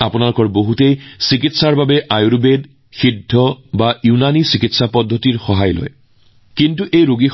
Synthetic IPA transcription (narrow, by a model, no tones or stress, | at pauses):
apunalʊkɔɹboɦutejsikitsaɹbabɛʔajuɹbed | xidʱːɔbajunanisikitsapɔdʱːɔtiɹxɔɦajlo̰j | kintuʔejɹoɡix